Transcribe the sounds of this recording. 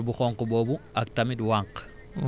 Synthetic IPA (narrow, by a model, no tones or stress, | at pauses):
buxɔŋkboːbuak̚tamidwaŋq